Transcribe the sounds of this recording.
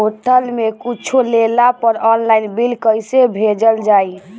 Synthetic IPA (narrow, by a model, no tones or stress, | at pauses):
oʈ̪ʰəlmekit͡ʃʰolelapəɾɔnlainbilkəjsebʱed͡ʒəld͡ʒaj